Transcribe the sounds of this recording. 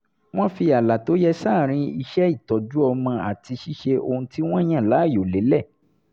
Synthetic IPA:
w̃ɔ̃˦fi˧a˨la˨to˨˦jɛ˧saː˦˨ɾ̃ĩ˧i˧ʃɛ˦i˦˨tɔ˨d͡ʒu˦ɔ˧mã˧a˨ti˧ʃi˦ʃe˧o˧ũ˧ti˦w̃ɔ̃˦j̃ã˦˨la˨˦˨jo˨le˨˦lɛ˦˨

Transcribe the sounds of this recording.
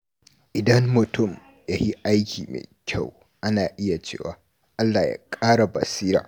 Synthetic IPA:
ʔɪ˨dɐ˦mːʊ˨tʊ˦˨m | ja˦hi˦ʔa˦jkʲʰḭː˨mḛː˨kʲʰa˦˨w | ʔa˦naː˨ʔɪ˦ja˨t͡ʃḛː˦wa̰ː˨ | ʔa˦lːaː˨ja̰˨kʼaː˦ɽa˨bɐ̰˨siː˦ɾa̰ː˨

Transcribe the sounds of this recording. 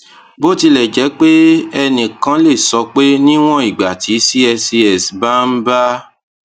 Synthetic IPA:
bo˦ti˧lɛ˨d͡ʒɛ˨˦k͡pe˦ɛ˧nĩ˨kã˦le˦˨sɔ˧k͡pe˦nĩ˦w̃ɔ̃˦i˨ɡ͡ba˨ti˨˦si˦ɛ˧si˧ɛ˨sba˦m̩˦ba˦

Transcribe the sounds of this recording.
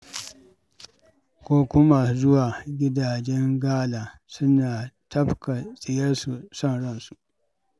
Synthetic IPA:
kʷoː˦kʊ˦ma˦˨zʊ˦waː˨ɡʲɪ˦daː˨d͡ʒɛ˦ŋɡaː˦laː˨ | sʊ˦naː˨tʰɐ˦bka˨sʼɪ˨jɐ˦rsu˨sɐ˦nɽɐ˦˨nsu˨ʔ

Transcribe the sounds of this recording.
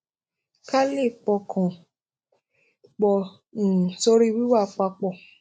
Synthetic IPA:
ka˦le˦˨k͡pɔ˧kʰɔ̃˨ | k͡pɔ˧˨ | ñ̩˨so˦ɾi˦˧wi˦wa˦˨k͡pa˧k͡pɔ˦˨

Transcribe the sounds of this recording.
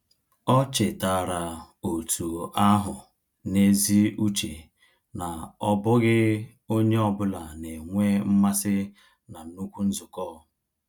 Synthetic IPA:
ɔ˦t͡ʃɪ˨ta˨ɾa˨ | o˨tʰu˨a˦ɦʊ˨ | ne˦zi˦u˦t͡ʃe˨ | na˨ɔ˦bʊ˦ɣɪ˦ | o˦ɲe˦ɔ˦bʊ˦la˨ne˨ŋʷe˦m̩˦ma˦sɪ˦ | na˨nu˦kʷu˦n̩˦zʊ˨kɔ˦˨

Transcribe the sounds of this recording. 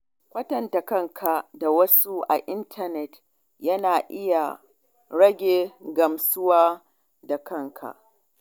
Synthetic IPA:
kʷɐ˦tɐ˨nta˨kɐ˦ŋkʰa˨da˨wɐ˦su˦ʔa̰˨ʔɪ˦ntʰɐ˨nɛ˨t | jɐ˦naː˨ʔɪ˦ja˨ | ɽɐ˦ɡʲeː˨ɡɐ˨msʊ˦waː˦ | da˨kɐ˦ŋkʰa̰˨ʔ

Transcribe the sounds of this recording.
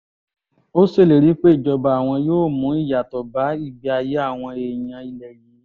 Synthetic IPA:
o˦se˦˨le˨ɾi˨˦k͡pe˦i˦˨d͡ʒɔ˧ba˧˨a˨w̃ɔ̃˧joː˦˨mũ˨˦i˦˨ja˨tɔ˨ba˨˦i˦˨bi˨˦a˧je˦a˦˨w̃ɔ̃˧e˧˨j̃ã˧i˧lɛ˨ɾi˨˦

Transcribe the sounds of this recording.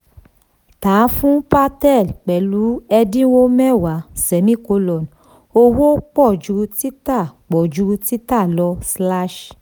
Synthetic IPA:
taː˨˦fũ˦pa˧tɛ˦˨lk͡pɛ˨lu˨˦ɛ˧dĩ˦wo˦mɛ˦˨wa˨˦sɛ˨˦mĩ˦˨ko˨˦lɔ˨n˨ | o˧wo˦k͡pɔ˦˨d͡ʒu˨˧˦ti˦ta˦˨k͡pɔ˨d͡ʒu˧˦ti˦ta˦˨lɔ˧˦sla˦ʃ

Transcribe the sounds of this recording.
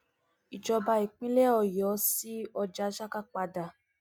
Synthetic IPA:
i˨d͡ʒɔ˧ba˧i˨k͡pĩ˦lɛ˦ɔ˧jɔ˨˦si˦ɔ˧d͡ʒa˨˦ʃa˦ka˦˨k͡pa˧da˧˨

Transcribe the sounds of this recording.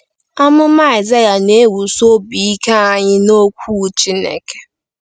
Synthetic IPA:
a˦mʊ˦m˦a˦˨i˨za˦ja˨ne˦wu˨so˦bi˨i˦ka˦a˦˨ɲɪ˦no˦kʷu˦˨t͡ʃi˦nḛ˨ke̥˨

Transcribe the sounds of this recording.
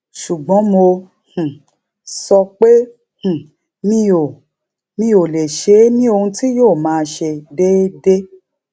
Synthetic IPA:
ʃu˨ɡ͡bɔ̃˨˦mo˧ | hũ˨ | sɔ˧k͡pe˦ | hũ˨ | mĩ˧o˨ | mĩ˦o˨le˨ʃe˨˦nĩ˦o˧hũ˧ti˦joː˦˨mãː˨˦˧ʃe˧de˦de˦

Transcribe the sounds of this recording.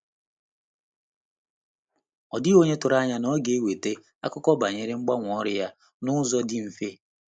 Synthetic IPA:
ɔ˨dɪ˦o˦ɲe˦tʊ˨ɾa˦ɲa˦nɔ˦ɡe˦we˨te˦ | a̰˦kʊ˦kɔ˦ba˨ɲe˦ɾɪ˦ŋ͡m̩˦ɡ͡ba˦ŋʷ˨ɔ˦ɾɪ˦ja˦ | nʊ˦zɔ˦dɪ˦m̩˨fe˦

